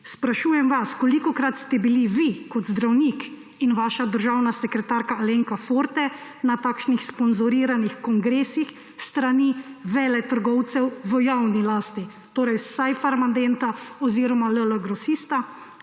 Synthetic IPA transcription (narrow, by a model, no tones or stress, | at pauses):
spɾaʃuːjɛmʋaskɔlikɔkɾat̪st̪ɛbiliʋikɔt̪zd̪ɾawnik | inʋaːʃad̪əɾʒaːwnasɛkɾɛt̪aːɾkaaleŋkafoːɾt̪ɛnat̪aːkʃnixspɔnzɔɾiːɾanixkɔŋɡɾeːsix | st̪ɾaniʋɛːlɛt̪əɾɡɔwt̪sɛwʋəjawnilaːst̪i | t̪oːɾɛjsajfaɾmand̪ɛnt̪aɔziːɾɔmalələɡɾɔsist̪a